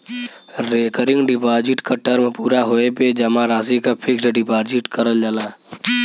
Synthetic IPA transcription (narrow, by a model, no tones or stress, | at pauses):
ɾeːkəɾɪ̃ŋɡɖɪpaːd͡ʒɪʈkaʈəɾmpuːɾaɦoeped͡ʒɐmaɾaːs̬ikapʰɪksɖɪpaːd͡ʒɪʈkəɾəld͡ʒalaː